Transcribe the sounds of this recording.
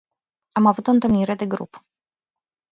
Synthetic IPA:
amavut̪ɔnt̪ɔniɾɛd̪ɛɡɾṵp

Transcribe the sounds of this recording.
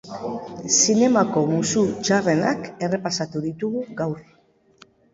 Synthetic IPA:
sine̞mako̞musut͡ʃare̞nake̞re̞pasat̪uðit̪uɣuɡawɾ

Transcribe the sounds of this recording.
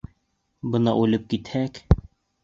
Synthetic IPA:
bɤnɑʔʉlɘp̚kit̪hæk

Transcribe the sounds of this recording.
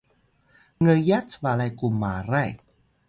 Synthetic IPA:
ŋəjat͡sʰvalajkumːaɾaj

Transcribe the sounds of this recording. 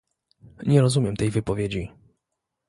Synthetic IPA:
ɲɛɾɔzumʲjɛmt̪ɛjvɘpɔvʲjed͡ʑi

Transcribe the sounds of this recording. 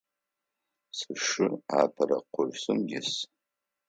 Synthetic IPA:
sɨʂɨaːpʰɐɾɐqʷʊʕʷsɨmjɪs

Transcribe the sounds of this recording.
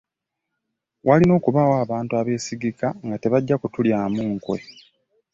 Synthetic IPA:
wʔalino̞ːkuβawaːβaːntuaβe̞ːsiɡikaŋɡate̞βaɟːakutuljaːmuːŋkwḛ

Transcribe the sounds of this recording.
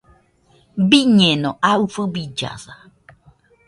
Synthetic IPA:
biɲẽnõʔaufobid͡ʒa̰sa

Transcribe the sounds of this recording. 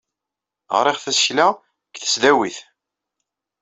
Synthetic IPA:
ʁɾˤiʁθæsçlæ | kθə̥sðæwiθ

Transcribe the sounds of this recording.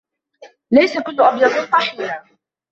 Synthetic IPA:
lajsakʊlːʊʔɑbjɑd̪ˤsˤɑħiːɾa

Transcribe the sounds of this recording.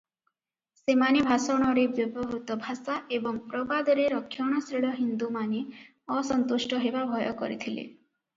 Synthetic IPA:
semanebʱasɔɽ̃ɔɾebjɔbɔɦut̪ɔbʱasaʔebɔŋpɾɔbad̪ɔɾeɾɔkʰːjɔɽ̃ɔsɾiɭɔɦind̪umane | ɔsɔnt̪uʃʈɔɦebabʱɔjɔkɔ̰ɾḭt̪ʰilḛ

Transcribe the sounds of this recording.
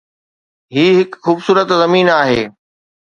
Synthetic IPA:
ɦiːɦɪkxuːbsuːɾət̪zɐmiːnaːɦḛː

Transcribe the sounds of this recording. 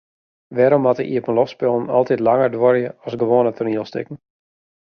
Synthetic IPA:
ʋɛːɾɔmɔtəʔiəpən̩lɔfspɪlˠn̩ɔ̰lˠtitlaŋərdʋɔrjəɔsɡəʋoːnətʰʊrniəlˠstɪ̰kən̩

